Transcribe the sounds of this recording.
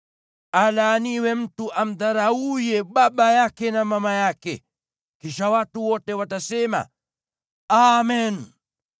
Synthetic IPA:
alaːniwɛm̩tuʔam̩ðaɾaujɛɓaɓajakɛnamamajakɛ | kiʃawatuwɔtɛwatasɛma̰ | amɛn

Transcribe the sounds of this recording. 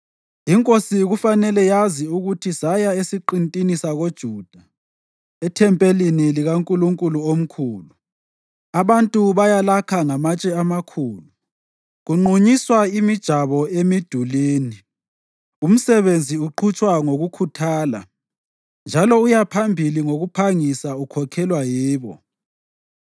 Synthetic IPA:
iŋkʼosiɣufanɛlɛjaziuɣutʰisajaesiǃintʼinisaɣod̥ʒ̥ʱuːd̥ʱa | ɛtʰɛmpʼeliniliɣaŋkʼuluŋkʼuluom̩kʰuːlu | aβantʼuβajalakʰaŋamat͡ʃʼɛamakʰuːlu | ɣuŋ͡ǃʱuɲiswaimid̥ʒ̥ʱaβɔemid̥ʱuliːni | um̩sɛβend͡zʱiuǃʰut͡ʃʼwaŋoɣukʰutʰaːla̰ | nd͡ʒʱalɔujapʰambʱiliŋoɣupʰaŋisaukʰɔkʰɛlwajiːβɔ̰

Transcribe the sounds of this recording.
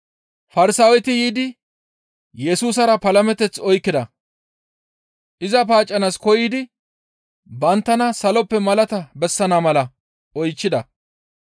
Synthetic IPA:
fɐɾɪsaːwɛt̪ɪjiːd̪ɪ | jɛsuːsɐɾɐpɐlɐmɛt̪ɛt͡sɔjkːɪd̪ɐ | ʔɪzɐp̬aːt͡ʃʼːɐnɐskɔjiːd̪ɪ | bɐnt̪ːɐnɐsɐlɔpːɛmɐlɐt̪ɐbɛsːɐnamɐlɐ | ɔjt͡ʃːɪd̪ɐ

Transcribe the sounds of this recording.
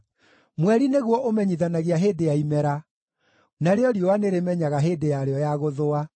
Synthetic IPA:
mwɛɾineɣwɔʔomɛɲiðanaɣeaɦeːdejaimɛɾa | naɾeɔɾjowaneɾemɛɲaɣaɦeːdejaɾeɔjaɣoðoa

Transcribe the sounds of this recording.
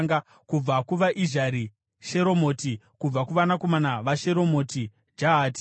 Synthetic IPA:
ŋɡa | kub͡vakuʋaʔiʒaɾi | ʃe̞ɾo̞mo̞ːti | kub͡vakuʋanako̞manaʋaʃe̞ɾo̞mo̞ti | d͡ʒaɦaːti̥

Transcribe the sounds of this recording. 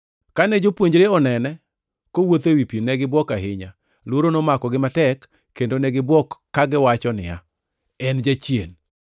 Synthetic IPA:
kanɛd͡ʒopwoɲd͡ʒɾeɔnɛnɛ | kowot̪ewipjinɛɡɪbwɔkaɦɪɲa | lwoɾonomakɔɡɪmatɛkː | endonɛɡɪbwɔkːaɡɪwat͡ʃɔnɪ̰ja̰ | ɛnd͡ʒat͡ʃjen

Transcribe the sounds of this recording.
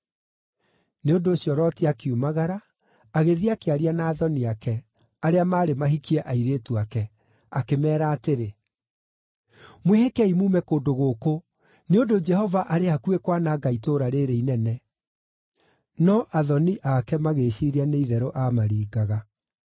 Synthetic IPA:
neondoːɕiɔɾɔtiakiumaɣaɾaː | ɣeðiakeaɾianaːðɔniakɛ | aɾeamaːɾemaɦikiɛʔaiɾeːtuakɛ | akemɛːɾaːteɾe | mwehekɛimuːmɛkoːndoɣoːko | neondod͡ʒɛhɔvaʔaɾeakuekwanaɡaitoɾaɾeɾeinɛnɛ | nɔʔaðɔniʔakɛmaɣeːɕiɾianeiðɛɾoʔamaɾiːɡaɣa

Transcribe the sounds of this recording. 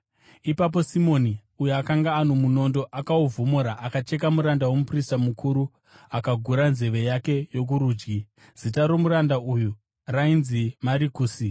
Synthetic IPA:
ipap̬o̞simo̞ni | ujuakaŋɡaːnomuno̞ndo̞ʔakauvʱomoɾaʔakat͡ʃe̞kamuɾandawomupristamukʰuɾu | akaɡʱuɾanze̞ʋe̞jake̞jo̞k̬uɾuːd͡ʒɡi | z̥itaɾomuɾandauju | rainzimaɾikuːsi

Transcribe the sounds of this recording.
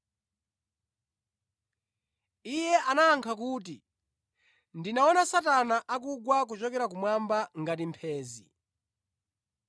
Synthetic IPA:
ijɛʔanaːŋkʰakuːt̬i | ndinaɔnasatanaʔak̬uɡwak̬ut͡ʃɔkɛɾak̬umwambaŋɡatimpʰɛːzi

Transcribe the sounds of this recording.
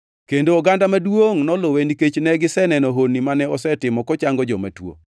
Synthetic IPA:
kendoːɡandamadwoŋnɔloweniket͡ʃnɛɡɪsɛnɛnɔɦonimanɛɔsɛtɪmɔkɔt͡ʃaŋɡɔd͡ʒɔma̰two̰

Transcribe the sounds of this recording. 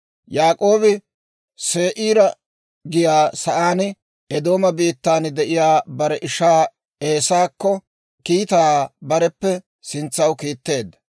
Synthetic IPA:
jaːkʼo̞ːbɪ | se̞ːʔiːɾɐ | ɡɪjaːsɐʔaːn | ɛd̪o̞ːmɐbiːt̪ːaːnd̪ɛʔɪjaːbɐɾɛʔɪʃaː | eːsaːkːɔ | kiːt̪aːbɐɾɛpːɛ | sɪnt͡sːɐwkiːt̪ːe̞ːd̪ːɐ

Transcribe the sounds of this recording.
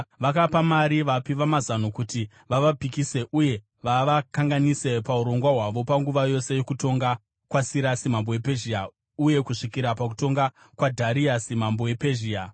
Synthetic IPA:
ʋakapamaɾiʋapiʋamazanukuti | ʋaʋapikise̞ʔuje̞ | ʋaʋakaŋɡanise̞pauɾo̞ŋɡwaɦwaʋo̞paŋɡuʋajo̞se̞jo̞kuto̞ŋɡa | kwasiɾasimambowepeʒia | uje̞kuʂikiɾapak̬u̥to̞ŋɡa | kwadʱaɾiasimambo̞we̞peʒiːa

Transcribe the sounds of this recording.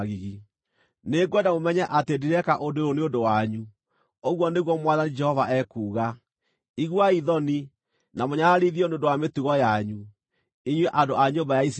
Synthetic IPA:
ɣiɣi | neɡwɛndamomɛɲɛʔatediɾɛkaʔodeɾoneodowaɲu | oɣwɔneɣwɔmwaðanid͡ʒɛhɔvaʔɛkuːɣa | iɣwaiðɔni | namoɲaaɾiðiɔneondowametuɣɔjaɲu | iɲweʔandoaɲombajais

